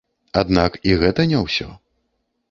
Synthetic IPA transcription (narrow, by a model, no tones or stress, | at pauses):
ad̪nakiɣɛt̪ɐnʲɛwsʲɔ